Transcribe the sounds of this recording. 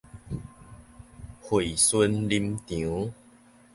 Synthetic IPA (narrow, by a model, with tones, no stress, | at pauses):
hwe˨˩˨sə˦nli˧mt̪jũ˨˦